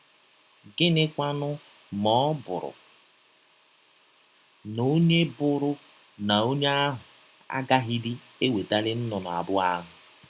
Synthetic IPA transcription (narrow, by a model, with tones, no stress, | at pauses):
ɡɪ˦nɪ˦kʷa˦nʊ˦ | mɔ˨˦bʊ̰˨ɾʊ̰˨ | no˦ɲe˦bʊ˦ɾʊ˦ | na˨o˦ɲe˦a˦ɦʊ˨ | a̰˦ɡa˦ɦi˦dɪ˦ | e˦we˨ta˦lɪ˦n̩˦nʊ˨nʊ˨a̰˨bʊ˦a˦ɦʊ˨